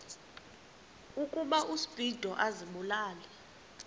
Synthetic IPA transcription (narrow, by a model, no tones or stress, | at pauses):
ukʼuɓaʔusib̥ʱid̥ʱɔʔaziɓulaːlɛ